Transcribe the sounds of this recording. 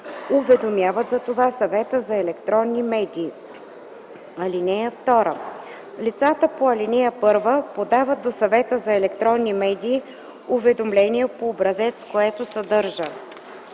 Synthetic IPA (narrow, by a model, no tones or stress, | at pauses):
ʊvɛd̪omʲjavət̪zɐt̪ovasɐvɛt̪əzɐɛlɛkt̪ɾɔnːimɛd̪iː | ɐlinɛjəft̪ɔɾə̰ | lit̪sat̪əpoɐlinɛjəpɤɾvəpod̪avət̪̚d̪osɐvɛt̪əzɐɛlɛkt̪ɾɔnːimɛd̪ʲiː | ʊvɛd̪omlɛniɛpoːbɾɐzɛt̪skoɛt̪osɐd̪ɤɾʒə